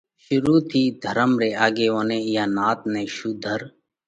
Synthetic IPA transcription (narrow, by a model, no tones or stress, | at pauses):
ʃʊɾuːt̪ʰiːd̪ʱəɾəmɾeːaːɡeːʋoːnẽːjaːnaːt̪̚nẽːʃuːd̪ʱəɾ